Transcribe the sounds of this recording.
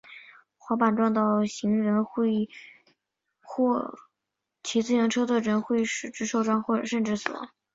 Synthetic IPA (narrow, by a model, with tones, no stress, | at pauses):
xwɑ˧˥pa˨˩nʈ͡ʂwɑ˥˧ŋt̪ɑ˥˩ʊɕi˧˥ŋɻə˧˥nxwe˥˧ɪ | xwɔ˥˧˩ | t͡ɕʰi˧˥t͡sɹ̩˥˩jɑ˧˥ŋʈ͡ʂʰɤ˥t͡sʰɔ˥˩ʈ͡ʂə˧˥nxwe˥˩ɪʂɻ̩˨˩ʈ͡ʂɻ̩˥ʂo˥˧ʊʈ͡ʂwa˥nxwɔ˥˩ʈ͡ʂɤ˨˩ʂə˥˧nʈ͡ʂɻ̩˥˩s